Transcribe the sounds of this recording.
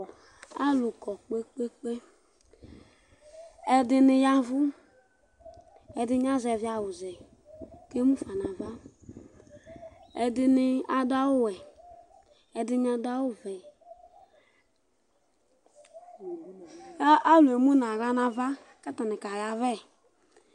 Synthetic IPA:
a˦lu˨kɔ˨k͡pe˦k͡pe˦k͡pe˦ | ɛ˨dɪ˧nɪ˧ja˦vʊ˦ | ɛ˨dɪ˦ɲ˦a˦zɛ˨vi˦a˨wu˨zɛ˨ | ke˦mu˦fa˨na˨va˦ | ɛ˨dɪ˧nɪ˦a˨da˦wu˦˨wɛ˨ | ɛ˨dɪ˦ɲ˦a˧da˦wu˦vɛ˨˦ | a˦˨lu˨e˨mu˦na˨ɣa˦na˧va˦ | kɛ˦ta˨nɪ˨ka˨ja˨vɛ˦˨

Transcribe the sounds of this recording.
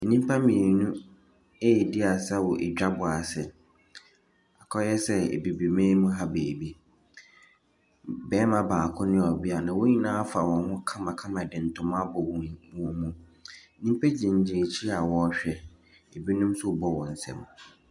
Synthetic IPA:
e˨nĩ˦m˦pʰa˦mĩ˨e˨nũ˦ | e˦˨dɪ˦a˨sa˦wɔ˨ʔḛ˨d͡ʑᶣa˦bʊ˨a˨sɛ˨ | a˨kʰɔ˦jɛ˦sɛ˦ḛ˨bi˨bi˨mẽː˦mũ˦ɦa˦beː˨bi˦ | bɛː˦mã˨baː˨kʰʊ̃˦nɪ̃˦ɔ˨bi˦a˨nã˨wo˦ɲĩ˦nãː˦fa˨wɔ̃˨hʊ̃˦kʰã˦mã˨kʰã˦mã˨dɪ̃˨n̩˨tʰʊ̃˨mã˦bɔ˨wɔ̃˨wɔ̃˨mũ˦˨ | nĩ˦m˦pʰa˦d͡ʑĩ˨ɲ̩˨d͡ʑɪ˨e˨t͡ɕʰi˦a˨wɔ˨˦ɕᶣɛ˦ | e˨bi˦nũ˦msʊ˦˨bɔ˦wɔ̃˨n̩˨sɛ̰̃˦m˨

